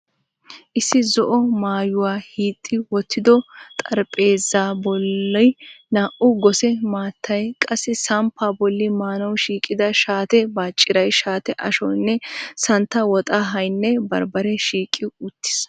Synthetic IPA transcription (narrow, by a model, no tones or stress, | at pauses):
ʔɪsːɪzɔʔɔmaːjʊwaːhiːt̪ʼːɪwɔt̪ːɪd̪ɔt̪ʼɐɾpʼe̞ːzaːbɔlːɐjnaːʔʊɡɔsɛmaːt̪ʰːɐjkʼɐsːɪsɐmpʰːaːbɔlːɪmaːnɐwʃiːkʼɪd̪ɐʃaːt̪ɛbaːt͡ʃʼːɪɾɐjʃaːt̪ɛʔɐʃɔnːɛsɐnt̪ːɐwɔt̪ʼaɦɐjnːɛbɐɾbɐɾɛʃiːkʼːɪʊt̪ːɪ̥s